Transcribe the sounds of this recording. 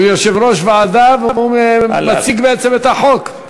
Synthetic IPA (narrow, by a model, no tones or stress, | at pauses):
ujoʃevʁoʃvead̪avuvumat͡siɡbeet͡semet̪aħok